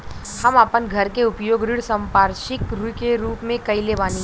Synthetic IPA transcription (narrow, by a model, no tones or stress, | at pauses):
hɐmaːpənɡʱɐɾkeʊpjoːɡɾɪɽsɐ̃mpaːɾʃɪkɾukeɾuːpmẽkɐilebaːni